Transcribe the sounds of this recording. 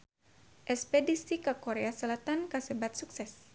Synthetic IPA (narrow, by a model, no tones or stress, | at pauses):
ʔɛspedisikakoɾeasəlat̪ankasəbat̪̚suksɛs